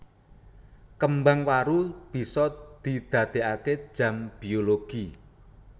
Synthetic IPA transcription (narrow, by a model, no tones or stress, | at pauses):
kəmbaŋwaɾub̥i̤sɔd̪̥i̤d̪̥a̤d̪̥e̤ake̥ʒ̥a̤mb̥ioloɡ̥i